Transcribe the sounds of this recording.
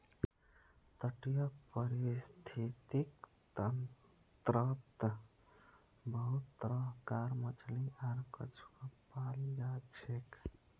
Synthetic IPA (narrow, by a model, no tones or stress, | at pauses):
t̪əʈjəpəɾist̪ʰit̪ik | t̪ən | t̪ɾəp̚t̪ | bəɦut̪ːɾəɦkaɾmət͡ʃliʔaɾkə̰t͡ʃʰu̥kəpald͡ʒat͡ʃʰek